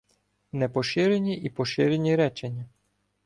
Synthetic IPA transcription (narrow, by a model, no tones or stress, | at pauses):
nɛpɔʃɪɾenʲiʔipɔʃɪɾenʲiɾɛt͡ʃenʲːɐ